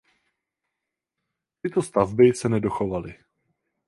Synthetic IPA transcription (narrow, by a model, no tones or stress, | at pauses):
t̪ɪt̪o̞st̪avbɪsɛnɛdo̞xovalɪ